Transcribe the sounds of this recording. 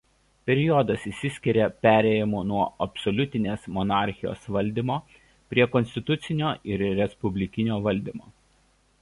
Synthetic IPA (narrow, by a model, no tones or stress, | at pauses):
pʲɛɾʲɪjɔd̪ɐsisʲɪsʲkʲɪɾʲepʲæːɾʲɛjɛmuːnuɔɐpʲsɔlʲʊt̪ʲɪnʲeːsmɔnɑːˑɾʲxʲɪjo̰ːsʋɐlʲd̪ʲimoː | pʲɾʲiɛkɔnsʲt̪ʲɪt̪ʊt̪sʲɪnʲoːɪɾɾʲɛspʊbʲlʲɪkʲɪnʲoːʋɐlʲd̪ʲiːmoː